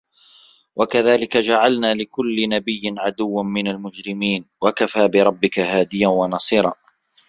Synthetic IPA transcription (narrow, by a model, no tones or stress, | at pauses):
wʔakaðaːlɪkad͡ʒaʕalnaːlɪkʊlːɪnabɪjːɪnʕad̪ʊwːamɪnalmʊd͡ʒɾɪmiːnwakafaːbɪɾˤɑbːɪkahaːd̪ɪjanwɑnɑsˤiːɾˤɑː